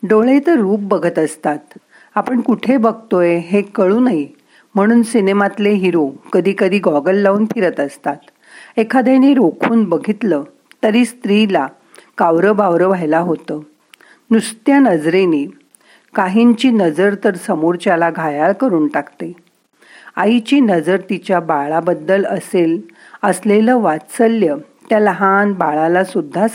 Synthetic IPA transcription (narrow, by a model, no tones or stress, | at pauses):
ɖoɭet̪əɾːuːp̚bəɡʱət̪əst̪at̪ | apəɳkuʈʰebəɡ̚ʱt̪oeɦekəɭuːnaɦi | m̤əɽ̃uːnsinemat̪leɦiɾokəd̪ʱiːkəd̪ʱiːɡɔɡəlːauːnpʰiɾət̪əst̪at̪ | ekʰad̪janiːɾokʰuːnbəɡʱit̪lə | t̪əɾiːst̪ɾila | kaʋɾəbaʋɾəʋajlaɦot̪ə | nust̪janəd͡zɾene | kaɦint͡ɕiːnəd͡zəɾt̪əɾsəmoɾt͡ɕjalaɡʱajaɭkəɾuːnʈakt̪e | a̰it͡ɕiːnəd͡zəɾt̪it͡ɕjabaɭabəd̪ːələsel | əsleləʋat͡səljə | t̪jaləɦanbaɭalasud̪ʱːa